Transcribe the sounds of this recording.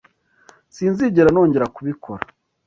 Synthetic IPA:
siːnziɟeɾano̞ːɲɟe̞ɾakuβikʰo̞ɾa

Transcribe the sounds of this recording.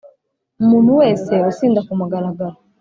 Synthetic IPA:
mun̤uwɛsɛɔsindakumaɡalaɡala

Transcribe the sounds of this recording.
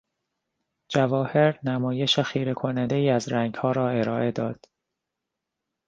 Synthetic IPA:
d͡ʒævɒːhe̞ɾnæmɒːje̞ʃexiːɾekʰonænd̪eiːæzɾæŋɡhɒːɾɒːe̞ɾɒːʔe̞d̪ɒːd̪̥

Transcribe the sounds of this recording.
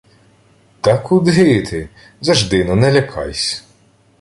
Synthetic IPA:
t̪ɑkud̪ɦɪt̪ʰɪ | zɐʒd̪ɪnɔnɛlʲɐkʰɑ̰jsʲ

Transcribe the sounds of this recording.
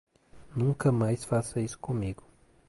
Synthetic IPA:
nuŋkamajsfasɐiskʊmiɡʊ̥

